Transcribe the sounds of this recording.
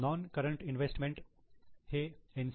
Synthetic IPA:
nɔ̃ːnkɐɾə̃ɳʈɪ̃nʋesʈmẽɳʈ | heẽns

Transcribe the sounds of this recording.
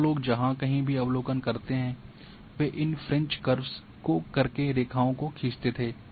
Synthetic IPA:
loːɡd͡ʒɐɦãkɐɦĩbʱiɐʋloːkənkɐɾt̪eɦɛ̃ː | ʋeʔɪnfʰɾɛ̃ɲt͡ʃkɐɾbs | kokɐɾkeɾeːkʰaːõkokʰiːst̪et̪ʰeː

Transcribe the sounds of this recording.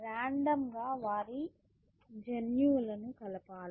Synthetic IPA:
ɾaːɳɖɐmɡaːʋaːɾi | d͡ʒɐnjuːlɐnukɐlɐpaːl

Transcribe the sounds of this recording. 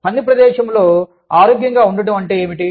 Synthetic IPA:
pɐnd̪ipɾɐd̪ɛːʃɐmlo̞ː | aːɾoːɡjɐŋɡaːuɳɖɐʈɐmɐɳʈeːeːmiʈi

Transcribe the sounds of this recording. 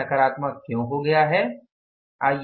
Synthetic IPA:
ɐkəɾaːt̪makjõɦoɡɐjaɦɛː | aːj

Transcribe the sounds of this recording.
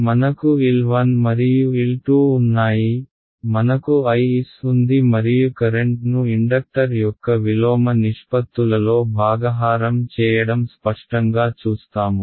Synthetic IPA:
mɐnɐkuilʋɐnmɐɾijuilʈuːnːaːji | mɐnɐkuɐjisund̪imɐɾijukɐɾeɳʈnuiɳɖɐk̚ʈɐɾjɔkːɐʋilɔːmɐniʂpɐt̪ːulɐlo̞ːbʱaːɡɐɦaːɾɐmt͡ʃɛːjɐɽɐmspɐʂʈɐŋɡaːt͡ʃuːst̪aːmu

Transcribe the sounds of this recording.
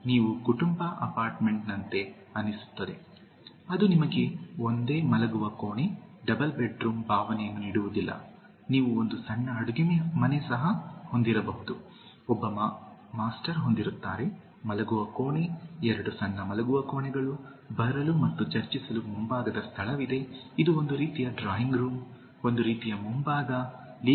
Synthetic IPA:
niːʋukuʈumbɐʔɐpaːɾʈme̞ɳʈnɐnt̪e̞ | ɐnːisu̥t̪ːɐd̪e̞ | ɐd̪unimɐɡe̞o̞nd̪e̞ːmɐlɐɡuʋɐkoːɳiɖɐbɐlbeʈɾuːmbʱaːʋɐnɛjɐnːuniːɽuʋud̪ilːɐ̰ | niːʋuond̪usɐɳːɐːɽuɡimmɐnesɐɦɐho̞nd̪iɾɐbɐɦud̪u | ɔbːɐm | maːsʈɐɾɦo̞nd̪iɾut̪ːaːɾe̞ | mɐlɐɡuʋɐkoːɳiɛɾɐɽusɐɳːɐmɐlɐɡuʋɐko̞ːɳɛɡɐɭu | bɐɾɐlumɐt̪ːut͡ʃɐɾt͡ʃisɐlumumbaːɡɐd̪ɐst̪ʰɐɭɐʋid̪e̞ | id̪uo̞nd̪uɾiːt̪ijɐɖɾaːjiŋɡɾuːm | o̞nd̪uɾiːt̪ijɐmumbaːɡ̪ɐ | li

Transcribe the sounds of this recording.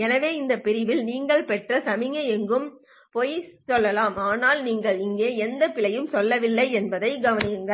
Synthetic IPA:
ɛnɐʋeːɪnd̪ɐpɪɾɪʋɪlniːŋɡɐɭpɛʈrɐsɐmɪŋɐɛŋɡɯm | poːjsɔlːɐlaːmaːnaːlniːŋɡɐɭɪŋɡeːɛnd̪ɐpɪɭɐjɯmsɔlːɐʋɪlːɐɪɛnbɐðɐɪɡɐʋɐnɪjɯŋɡɐ

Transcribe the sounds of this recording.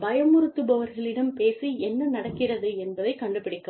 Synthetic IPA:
bɐjɐmʊɾɯt̪ːɯbɐʋɐɾɣɐɭɪɽɐmpeːsiɛnːɐnɐɽɐkːɪrɐðɯɛnbɐðɐɪkːɐɳɖɯpːɪɽɪkːɯm

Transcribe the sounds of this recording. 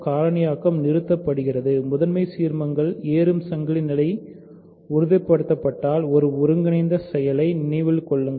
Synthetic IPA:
kaːɾɐnɪjaːkɐmnɪɾɯt̪ːɐpːɐɽɯɣɪrɐðɯmʊðɐnmɐɪsiːɾmɐŋɡɐɭeːɾɯmsɐŋɡɐɭɪnɪlɐɪ | ʊɾɯðɐɪpːɐɽɯt̪ːɐpːɐʈːaːlɔɾɯʊɾɯŋɡɪnɐɪnd̪ɐsɛjɐlɐɪnɪnɐɪʋɪlkɔɭːɯŋ

